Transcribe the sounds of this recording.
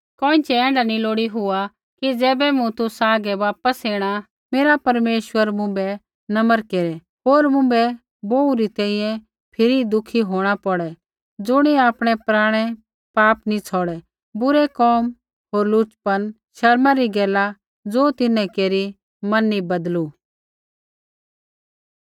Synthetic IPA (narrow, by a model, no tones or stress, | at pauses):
kɔ̃ːĩt͡ʃɛɛ̃ːɳɖanĩloːɽiɦʊa | kid͡zɛːbɛmũt̪ʊsaːɡɛʋaːpəsɦeːɽ̃a | meːɾapɐɾmeːʃwəɾmʊ̃mbɛ | nɐməɾkeːɾɛ | ɦoːɾmʊ̃bɛ | boːuɾit̪ɛ̃ːĩjɛ̃ | pʰɪɾid̪ʊkʰiɦoːɽ̃apɔɽɛ | d͡zʊɽ̃iaːpɽ̃ɛpɾaːɽ̃ɛ | paːpnĩt͡sʰɔːɽɛ | bʊɾɛkɔːm | ɦoːɾlʊt͡ʃpən | ʃɐɾmaɾiɡɛːla | d͡zoːt̪ɪnɛ̃keːɾi | mɐnːibɐd̪lu